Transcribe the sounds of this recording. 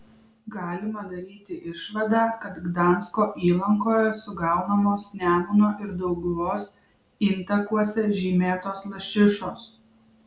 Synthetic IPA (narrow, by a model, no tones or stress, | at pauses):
ɡɑːlʲɪmɐd̪ɐɾʲiːt̪ʲɪʔɪʃʋɐd̪ɑːkɐt̪ɡd̪ɑˑnskoːʔiːlˠɐŋkoːjɛsʊɡɑˑʊnɐmoːsnʲæːmʊnoːʔɪɾd̪ɐʊɡʊʋoːs | iːnt̪ɐkuɔsʲɛʒʲiːmʲeːt̪oːslˠɐʃʲɪʃoːs